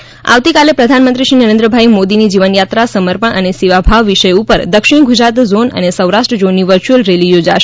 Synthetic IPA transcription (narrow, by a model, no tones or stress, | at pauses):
a̰ʋt̪ikalepɾəd̪ʱanmənt̪ɾiʃinəɾẽnd̪ɾəbʱaimod̪inid͡ʒiʋənjat̪ɾasəməɾpəɳʔənesiʋabʱaʋːiʃəjupəɾd̪əkʃɪɳ̃ɡud͡ʒɾat̪zonə̰nesəwɾaʃʈɾəd͡ʒonːiʋəɾt͡ʃiəlɾelijod͡ʒaʃ